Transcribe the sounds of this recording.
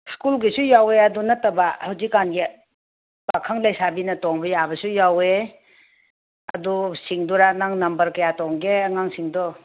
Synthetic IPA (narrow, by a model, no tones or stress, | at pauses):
skulɡisujaweɐdunɐtɐbahawzikːanɡe | bakʰaŋlajsabinɐtɔŋbɐjabɐsujawe | ɐ̰dusiŋduɾanaŋnɐmbɐɾkɐjatɔŋɡeɐŋaŋsiŋdɔ